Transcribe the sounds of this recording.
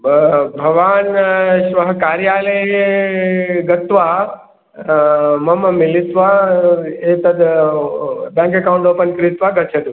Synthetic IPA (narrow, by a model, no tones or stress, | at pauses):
bbʱɐʋaːnʃʋɐɦkaːɾjaːləje | ɡɐt̪ʋa | mɐmmɪlɪt̪ʋa | et̪ɐd̪ | bãːŋkekauɳɖoːpənkɾɪt̪ʋaɡɐt̪t͡ʃʰed̪